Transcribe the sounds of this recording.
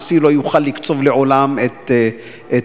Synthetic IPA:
silo̞juχalːikt͡so̞vleʔo̞lamet̪ | e

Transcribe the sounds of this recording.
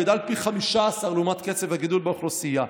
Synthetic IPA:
ed̪alpiχamiʃaːsaʁluːmat̪ket͡sevhaɡid̪ulbeoχlosija

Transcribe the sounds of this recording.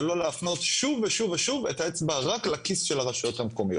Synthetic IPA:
lo̞leafno̞tʃuveʃuveʃuvetaet͡sbaʁaklakisʃelaʁaʃajo̞thamkomijot

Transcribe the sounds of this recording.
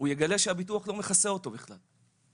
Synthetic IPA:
ujeɡale̞ʃeabituaχlo̞me̞χase̞o̞to̞biχla̰l

